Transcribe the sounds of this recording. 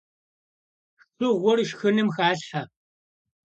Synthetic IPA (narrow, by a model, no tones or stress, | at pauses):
xɨʁʷɔrʃxɨnɨmxaːɬħa